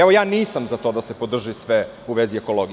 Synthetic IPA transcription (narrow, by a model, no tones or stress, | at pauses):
ɛʋo̞jaːniːsamzat̪o̞ːd̪ase̞po̞d̪r̩ʒisʋe | uʋezieko̞loɡ